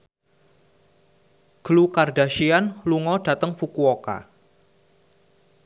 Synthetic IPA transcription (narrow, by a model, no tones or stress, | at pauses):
ɡ̥əlukarda̤ʃianluŋɔd̥a̤t̪əŋfukuoka̰